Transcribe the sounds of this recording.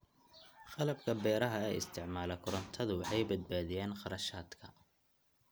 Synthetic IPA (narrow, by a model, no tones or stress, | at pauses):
χɑlɐbkʰɐbɛːɾɐɦɐɛ̰ɪ̰st̪ʰɪʕmaːlɐkʰʊɾɐnt̪ʰɐðʊwɑħɑjbɐd̪̚baːðɪjɛːnqɑɾɐʃaːd̪kʰɐ